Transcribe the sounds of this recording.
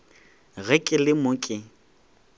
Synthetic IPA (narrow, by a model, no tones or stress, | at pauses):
ɣɛkʼɪlɪmokʼɪ